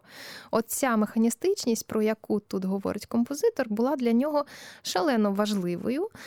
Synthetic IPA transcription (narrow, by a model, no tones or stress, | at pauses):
ɔt̪t͡sʲamexɐnʲist̪ɪt͡ʃnʲisʲtʲpɾɔjɐkut̪ut̪ɦɔʋɔ̰ɾʔɪtʲkɔmpɔzɪt̪ɔrbʊlˠɑd̪lʲɐnʲɔɦɔʃɐlˠɛnɔʋɐʒlˠɪʋɔ̰jʊ